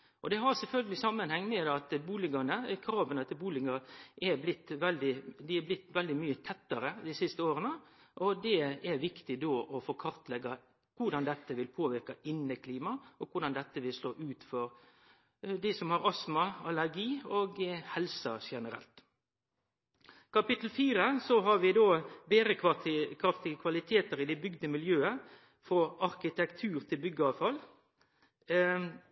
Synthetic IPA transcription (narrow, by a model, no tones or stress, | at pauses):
ʔɔd̪ɛɦɑɾsɛlfœlɡəlɪsɑmːənhɛŋːmɛd̪ɑt̪buːlɪɡɑnəkʰɾɑːʋənɛt̪ːəbuːlɪŋɑʔɛblɪt̪ːʋɛld̪ɪd̪ɪæblɪt̪ːʋɛld̪ɪmyːət̪ʰɛt̪ːɑɾəd̪ɪsɪst̪əoːɾənə | ʔɔd̪ɛɛɾʋɪkt̪ɪd̪oːʔɔfoːkʰɑɾt̪lɛɡɑ | kʊɖɑnd̪ɛt̪ːəʋɪlpʰoːʋɪɾkɑɪnːəkʰliːmɑʔɔkʊɾɖɑnd̪ɛt̪ːəʋɪlsloːʔʉːt̪fɔɾ | d̪isɔmhɑʁɑsmɑɑləɾɡiːoːɡhɛlsəʃɛnəɾɛ̰lt̪ | kʰɑpɪt̪ːl̩fiːɾəsɔɦɑɾʋɪd̪oːbeːəkʰɾɑft̪ɪɡəkʰʋɑlɪt̪ʰeːt̪əɾɪd̪ɛbʏɡd̪əmɪljøːə | fɔɾɑɾkɪt̪ʰɛkt̪ʰʉːɾt̪ʰɪlbʏɡːəɑːʋfɑl